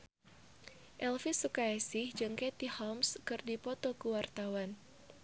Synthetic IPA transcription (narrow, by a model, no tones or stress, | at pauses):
ʔɛlfisukaɛsɪhd͡ʒɨŋkɛt̪ihɔmskɨrdipɔt̪ɔkuwart̪awan